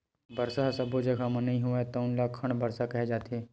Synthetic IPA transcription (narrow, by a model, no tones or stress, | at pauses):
bɐɾsasɐbod͡ʒɐɡʱamɐnĩɦuat̪oʊnlaːkʰːɐɽ̃bɐɾsakɐɦɛd͡ʒaːt̪ɛː